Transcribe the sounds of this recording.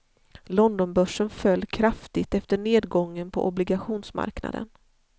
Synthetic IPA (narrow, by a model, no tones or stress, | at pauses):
lɔnd̪ɔnbœʂənfœlːkʰɾaft̪ɪt̪ɛft̪əɳeːd̪ɡɔŋːənpʰɔ̰ʔɔblɪɡaɧuːnsma̰ɾkna̰d̪ə̰n